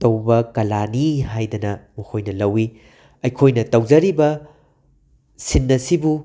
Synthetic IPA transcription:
tɐwbɐkɐlaniɦajdɐnɐmɐkʰojnɐlɐwi | ɐjkʰojnɐtɐwd͡ʒɐɾibɐ | sinːɐsibu

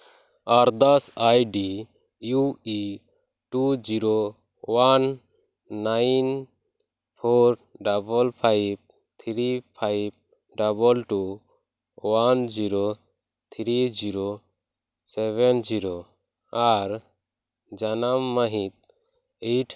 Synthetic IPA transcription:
aɾd̪asajɖi | jui | ʈud͡ʒiɾo | wanː | ain | pʰoɾɖabɔlpʰajb̚ | t̪ʰɾipʰajb̚ | ɖabɔlʈu | wand͡ʒiɾo | t̪ʰɾid͡ʒiɾo | sɛβɛnd͡ʒiɾo | aɾ | d͡ʒanamːəɦĩt̪̚ | eʈʰ

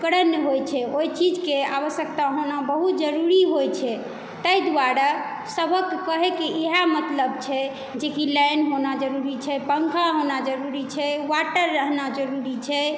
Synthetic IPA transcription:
kɾənɦojt͡ʃʰɛojt͡ʃid͡ʒkea̰βəsjək̚t̪aɦonabəɦut̪d͡ʒəɾuɾiɦojt͡ʃʰɛ | t̪əjd̪waɾa | səbʱəkkəɦɛkeʔeɦamət̪ləb̚t͡ʃʰɛ | d͡ʒekilɛjnɦonad͡ʒəɾuɾit͡ʃʰɛpəŋkʰaɦonad͡ʒəɾuɾit͡ʃʰɛwaʈəɾːəɦnad͡ʒəɾuɾit͡ʃʰɛ

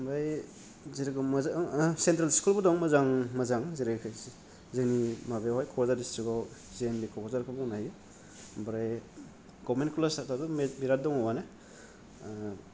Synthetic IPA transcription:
bɾaj | ziɾɡɯmazsentɾalskulbɔdɔŋmazaŋmazaŋziɾekʰ | zenimabehɔjkʰɔzaɾdistikɔlzenbikʰɔkɔzaɾkʰɯbɔŋnaj | bɾaj | ɡɔbmentkulasatadumbiɾat̚dɔŋɔwane

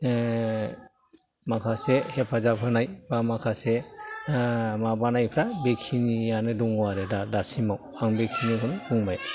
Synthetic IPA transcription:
makʰasehepʰazapʰɯnajbamakʰase | mabanajpʰɾabekʰinijanɯduŋwaɾɯdadasimaw | aŋbekʰinikʰɯnɯduŋbaj

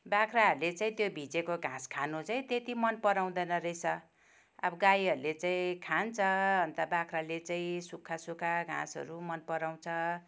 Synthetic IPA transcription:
bakʰraɦʌɾulet͡saĩt̪jobʱid͡zekoɡʱãskʰanut͡saĩt̪et̪imʌnpʌɾaw̃d̪ʌnʌrʌjsʰʌ | a̰bʌɡajɦʌɾulet͡saĩkʰant͡sʰʌʌnt̪ʌbakʰralet͡saĩsukʰːasukʰaɡʱã̰sʌ̰ɾumʌnpʌɾaw̃t͡sʰʌ

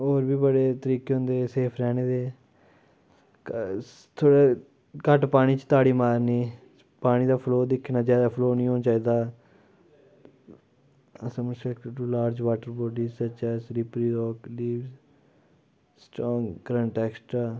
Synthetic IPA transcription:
oːɾbiːbəɽeːt̪əɾiːkeɦõnd̪eːseːpʰɾɛːñeːd̪eː | t̪ʰoːɽeː | kəʈpaːɽ̃iːt͡ʃt̪aːɽiːmaːɾniː | paːɽ̃iːd̪aːpʰloːd̪ɪkʰːnaːd͡ʒjaːd̪aːpʰloːnĩːɦõːnt͡ʃaːiːd̪aː | əsãːmʊt͡ʃɛkʈuːlaːɾd͡ʒʋaːʈəɾboːɖiːzsət͡ʃɛːsɾɪpɾiːɾɔːkliːʋz | sʈɾɔːŋɡɡɾə̃ɳʈɛːksʈɾaː

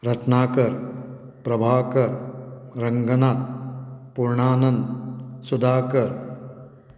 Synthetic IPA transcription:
ɾɐʈnaːkɐɾ | pɾɐbʱaːkɐɾɾɐŋɡʱɐnaːt̪̚puɾɳaːnɐnsud̪aːkɐɾ

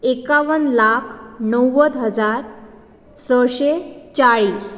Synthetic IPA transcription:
ekaʋənlakʰnəwːəd̪ɦəd͡zaɾ | səɕet͡ɕaɭiːs

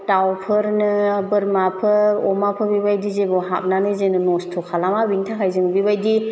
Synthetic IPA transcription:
tawpʰɯɾnɯbɯɾmapʰɯɔmapʰɯbibajdizebɔɦa̰p̚nanɯzenɯnɔstʰukʰalamabintʰakʰajzɯŋbibajdi

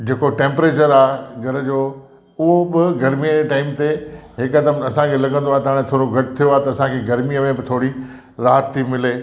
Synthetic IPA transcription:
d͡ʑeːkoʈẽːmpɾeːt͡ɕəɾaːɦɡʱɐɾəd͡ʑoː | ʊɦobɪɡɐɾmijəd͡ʑeʈaːɪmt̪eɦɪkkɐd̪əmɐsãkʰelɐɡə̃nd̪oaːɦet̪ɐɦaːɽ̃ẽt̪ʰoːɾoɡʱɐʈ̚t̪ʰijoaːɦet̪ɐsãkʰeɡɐɾmijəmẽbɪt̪ʰoːɽi | ɾaːɦət̪ʰːimɪleː

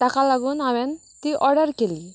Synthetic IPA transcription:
t̪akʰalaɡunawɛn | t̪iʔɔɽəɾkeli

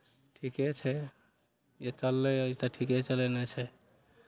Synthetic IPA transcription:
ʈʰikɛt͡ʃʰɛ | jet͡ʃəlːɛt̪aʈʰikɛt͡ʃəlɛnɛt͡ʃʰɛ

